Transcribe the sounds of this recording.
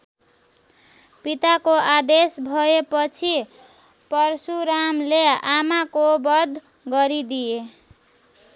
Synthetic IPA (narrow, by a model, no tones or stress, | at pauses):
pit̪akoad̪esbʱʌepʌt͡sʰi | pʌrsuɾamleamakobʌd̪ʱ | ɡʌɾid̪ije